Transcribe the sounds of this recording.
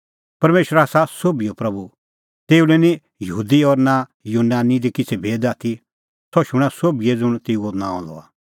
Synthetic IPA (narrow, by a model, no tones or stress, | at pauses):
pɐɾmeːʃəɾaːsasoːbiopɾɐbu | t̪eːulɛnĩ | jɐɦuːd̪iɔɾnajuːnaːnid̪ikɪt͡sʰɛbʱeːd̪aːt̪ʰi | sɔʃʊɽ̃asobiɛd͡zʊɽ̃t̪eːuonãːɔ̰̃lɔ̰a̰